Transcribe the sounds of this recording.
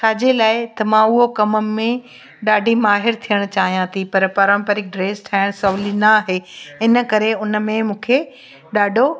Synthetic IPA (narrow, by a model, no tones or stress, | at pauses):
t͡ɕʰaːd͡ʑeːlaːɪt̪ɐmãʊɦokɐməmẽ | ɗaːɖʱimaːɦɪɾt̪ʰijəɽ̃t͡ɕaːɦijãt̪ʰipɐɾpɐɾə̃mpəɾɪk̚ɖɾeːsʈʰaːɪɽ̃sɐʋlinɐːɦeːɪnə̆kɐɾeʊnə̆mẽmũːkʰe | ɗaːɖʱo